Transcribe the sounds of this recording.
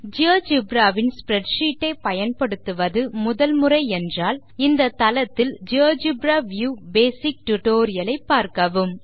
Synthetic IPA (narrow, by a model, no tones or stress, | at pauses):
d͡ʒɐːd͡ʒɪbɾaːʋɪnspɪɾɛʈʂiːʈːɐɪpɐjɐnpɐɽɯt̪ːɯʋɐðɯmʊðɐlmɯrɐɪɛndraːl | ɪnd̪ɐt̪ɐlɐt̪ːɪld͡ʒɐːd͡ʒɪbɾaːʋjuːbeːsɪk̚ʈʊʈoːɾɪjɐlɐɪpːaːɾkɐʋɯm